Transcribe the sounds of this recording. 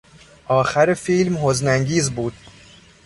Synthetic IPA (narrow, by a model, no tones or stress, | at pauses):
ʔɒːxæɾefiːlmhoznæŋɟiːzbuːd̪̥̚